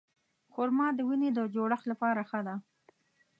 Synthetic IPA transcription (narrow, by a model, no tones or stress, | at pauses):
xoɾmɑd̪əwined̪əd͡ʒoɽəxlapɑɾaxəd̪a